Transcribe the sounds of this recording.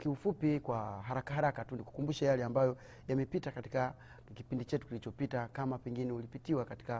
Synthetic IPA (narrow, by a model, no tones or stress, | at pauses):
kiufupikwaɦaɾakaɦaɾakatuniku̥kumbuʃajalɛambajɔ | jamɛpitakati̥ka | kipindit͡ʃɛtukilit͡ʃɔpitakamapɛŋɡinɛulipitiwakati̥ka